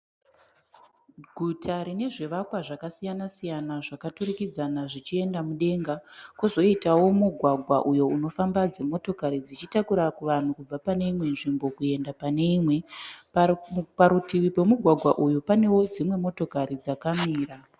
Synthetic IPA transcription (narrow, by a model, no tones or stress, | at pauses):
ɡʱutʰaɾine̞ʐiʋakwaʐakasijanasijanaʐakaturikid͡zanaʐit͡ʃie̞ndamuɗe̞ŋɡakuzo̞itawo̞muɡʱwaɡʱwaʔujo̞uno̞fambad͡ze̞mo̞to̞kaɾid͡zit͡ʃitakuɾakuʋan̤ukub͡vapane̞imwe̞nʐimbo̞kue̞ndapane̞imwe̞ | paɾutiwipe̞muɡʱwaɡʱwaʔujupane̞wo̞d͡zimwe̞mo̞to̞kaɾid͡zakamiːɾa